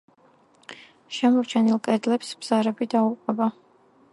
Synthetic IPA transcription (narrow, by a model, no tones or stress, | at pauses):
ʃɛmɔɾt͡ʃʰɛnilˠkʼɛd̪lɛpsb̥z̥aɾɛbid̪auqʼɛba